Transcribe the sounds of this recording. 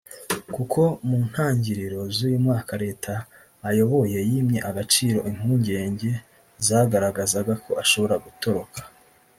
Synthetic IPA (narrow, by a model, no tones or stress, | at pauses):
kukʰo̞muːn̥haːɲɟiɾiɾo̞zujumŋaːkʰaɾe̞ːtʰaː | jo̞βo̞je̞jimɲe̞ʔaɡat͡ʃiːɾo̞ʔiŋ̥huːɲɟe̞ːɲɟe̞ | zaɡaɾaɡazaɡakʰo̞ʔaʃo̞βo̞ɾaɡuto̞ɾo̞kʰḁ